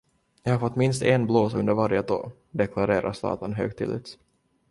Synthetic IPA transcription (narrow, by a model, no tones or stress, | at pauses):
jɑːhaɾfɔt̪ːmɪnst̪enbloːsɵnd̪əɾvaɾjət̪ʰo̰ː | d̪ɛkʰlaɾeːɾa̰ʂt̪ɑ̰ːt̪ənɦø̰ːɡ̚t̪ʰɪ̰lʔɪ̰t̪s